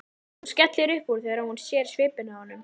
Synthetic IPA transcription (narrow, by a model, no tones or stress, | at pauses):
hunscɛt̪lɪɾʏhpuɾ̥θɛɣaɾahunsjɛːɾ̥svɪːpʏnahɔnːʏm